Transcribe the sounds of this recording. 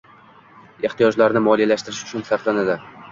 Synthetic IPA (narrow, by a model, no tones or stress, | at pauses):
e̞ht̪ijɒd͡ʒlaɾnɪmɒlijalaʃt̪ɪɾɪʃʊ̥t͡ʃʰʊnsaɾt̪lanad̪ɪ